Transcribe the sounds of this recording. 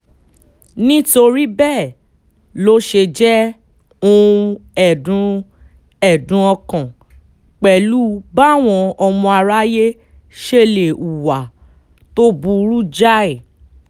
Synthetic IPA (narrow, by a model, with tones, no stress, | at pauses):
nĩ˦to˧ɾi˦bɛ˦˨ | lo˨˦ʃe˧d͡ʒɛ˦ | ũ˦˧ɛ˨dũ˨˧ | ɛ˨dũ˧˦ɔ̃˧kã˨ | k͡pɛ˨lu˦ba˦˨w̃ɔ̃˧ɔ˧mɔ̃˧a˧ɾa˦je˦ | ʃe˧le˨u˨wa˨ | to˦bu˧ɾu˦d͡ʒa˦ɛ˦˨